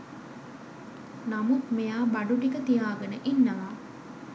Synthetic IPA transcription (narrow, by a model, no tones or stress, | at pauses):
namukmejaːbɐɖuʈikət̪ijaːɡɐnəʔinːɐʋaː